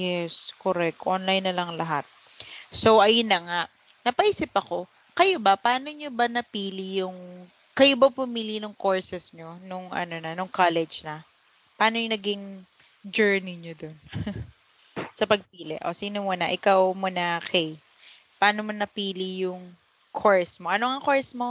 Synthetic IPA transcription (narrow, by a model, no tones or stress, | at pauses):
jɛskoɾɛk̚t̪ʔonlɐjnːɐlɐŋlɐɦat̪̚ | sowʔɐjʊnːɐŋaʔ | nɐpɐʔiːsɪpɐko̞ | kɐjobɐpɐaːno̞ɲobɐnɐpiːlɪjʊŋ | kɐjobɐpʊmiːlinʊŋkoɹsɛsɲo̞nʊŋɐ̰nonɐnʊŋkalɛd͡ʒnɐ | pɐʔaːnoɲʊnɐɡɪŋ | d͡ʒɛɹnɪɲod̪on | sɐpɐɡ̚p̚iːlɪ̰ʔo̰siːnomunɐʔɪkawmʊnɐkʰɛj | pɐʔaːnomɐnɐpiːlɪjʊŋ | kʰoɹsmoʔɐnoŋɐkoɹsmo̞